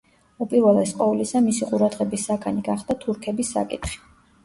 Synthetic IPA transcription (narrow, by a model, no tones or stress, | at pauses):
upʼiɾwɛlˠɛsqʼɔvlisamisiqʼuɾad̪ʁɛbisːakʰaniɡaχd̪̥at̪ʰuɾkʰɛbisːa̰kʼit̪χi̥